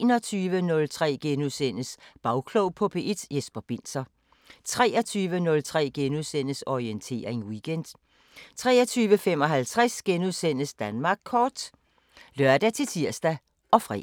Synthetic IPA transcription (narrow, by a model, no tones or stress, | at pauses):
nɒ̽t͡sʰyːʋənɔ̽lt͡sʰʁɛ̰ːɡ̥enuðˠsen̰əsb̥ɑ̈ʊkʰloʊpʰɒ̽pʰe̝ʔed̥jesb̥ɐb̥e̝n̰sɐ | t͡sʰʁɛːɒ̽t͡sʰyːʋənɔ̽lt͡sʰʁɛ̰ːɡ̥enuðˠsen̰əsɒient͡sʰe̝̰ːɐʁeŋwiɡ̥end̥ | t͡sʰʁɛ̰ːɐt͡sʰyːʋəfem̰ɒ̽ɦælt͡sʰʁasɡ̥enuðˠsen̰əsd̥ænmɑ̈ːɡ̥̚kʰɒːd̥ | lɶɐd̥æt͡sʰe̝lt͡sʰiɐsd̥æ | ʔɒ̽fʁɛ̰